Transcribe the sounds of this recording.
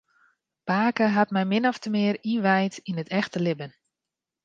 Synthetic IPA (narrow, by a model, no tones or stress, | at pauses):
paːkəɦatmɛjmɪnɔftəmɪəɾinʋɛjtinətʰɛxtəlɪbən